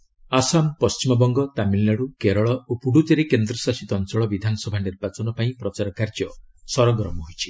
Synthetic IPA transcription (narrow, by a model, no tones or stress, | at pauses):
asampɔst͡ʃimɔbɔŋɡɔt̪amilnaɽukeɾɔɭɔopuɽut̪eɾekend̪ɾɔsasit̪ɔɔnt͡ʃɔɭɔbid̪ʱanɔsɔbʱaniɾbat͡ʃɔnɔpaĩpɾɔt͡ʃaɾɔkaɾd͡ʒjɔsɔɾɔɡɾɔmɔɦojt͡ʃʰi̥